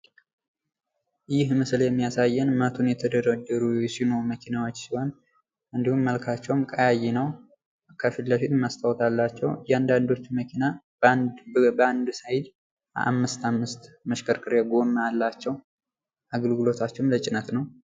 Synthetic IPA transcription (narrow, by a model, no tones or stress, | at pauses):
ʔɨjɪhmɨsɨljɛmːijasajːɛnmət̪ʰunjɛt̪ʰəd̪əɾəd̪ːəɾujɛsino̞ɾuməkʰinawo̞t͡ʃːsiho̞n | ʔɨnd̪ihumːəlkʰat͡ʃːɛwmkʼajajɛnəw | kʰəfilləfit̪mast̪ʰʼawt̪ʰalːat͡ʃːɛwjɛand̪and̪o̞t͡ʃːməkʰina | bəand̪sajɪd̪ | a̰mːɨst̪amːɨst̪ | məʃkʰəɾkʼɨɾjaɡo̞mːəalːat͡ʃːɛw | ʔaɡəlɡɨlo̞t̪ʰat͡ʃːɛwmlət͡ʃʼɪnət̪nəw